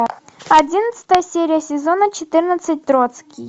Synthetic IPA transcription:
ɐdʲinət̪sə̥t̪əjəsʲeɾʲɪjəsʲɪzonət͡ɕɪt̪ɨrnət̪sɨt̚ʲt̪ɾot̪skʲij

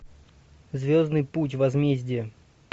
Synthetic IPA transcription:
zvʲo̞znɨjput̬ʲvɐzmʲezʲdʲɪə

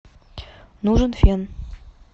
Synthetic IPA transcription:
nuʐə̆nfʲen

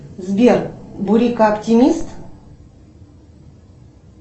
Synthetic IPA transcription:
zbʲerbuɾʲikaɐptʲimʲist̪

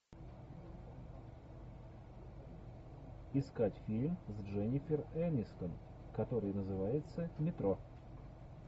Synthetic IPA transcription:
ɪskatʲfʲilʲmzʐɛnʲɪfʲɪrɛnʲɪsk̪ən | kɐt̪o̞ɾɨjnəzɨvajɪt̪səmʲɪt̪ɾo

